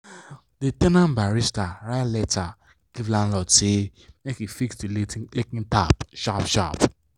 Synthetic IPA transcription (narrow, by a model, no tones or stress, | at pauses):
detɛnãnbaɾistaɾatlɛta | ɡ̥ivlãn̩lɔtemekifiksdillekĩntapʃapʃa̰p